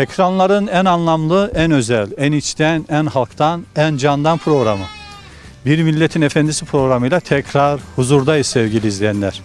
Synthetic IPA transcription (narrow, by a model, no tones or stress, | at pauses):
ecʰɾanlˠaɾɯnænanlˠamlˠɯænø̞zælʲænit͡ʃt̪ʰænænhalˠkt̪ʰanænd͡ʒand̪anpʰɾo̞ɣɾamɯ | biɾmilʲːet̪ʰinefɛnd̪isipʰɾo̞ɣɾamɯjlʲˠat̪ʰɛcʰɾaɾhuzuɾd̪ajisɛvɟilʲiːzlʲijænlʲæɾ̥